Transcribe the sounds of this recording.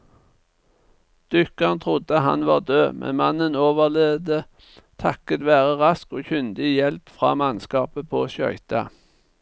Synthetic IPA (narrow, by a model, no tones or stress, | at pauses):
d̪̥ʏkɑnt̪ʰʁʊd̪əɦɑ̰nʋɑːʁd̪øːmʔɛ̰nmɑnənoːʋəʁleːd̪ə | t̪ʰɑkət̪ʋæːʁəʁɑskoːçʉnd̪ɪjɛlpfʁɑ̰ːmɑnskɑːpəpʰoːʃœ̰ʏt̪ɑ